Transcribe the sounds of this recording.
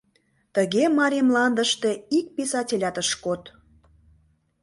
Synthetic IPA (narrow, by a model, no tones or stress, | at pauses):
t̪əɣemɑɾemlɑnd̪əʃt̪eik̚pesɑtʲelʲɑt̪əʃkot̪